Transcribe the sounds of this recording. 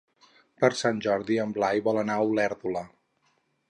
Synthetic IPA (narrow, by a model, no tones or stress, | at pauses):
pəɾsanʲʒɔɾðiəmblajβɔlənawlɛɾðulə